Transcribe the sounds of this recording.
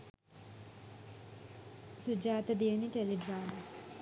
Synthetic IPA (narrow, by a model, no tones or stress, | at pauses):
sud͡ʒaːt̪ɐd̪eːniʈeliɖɾaːmɐ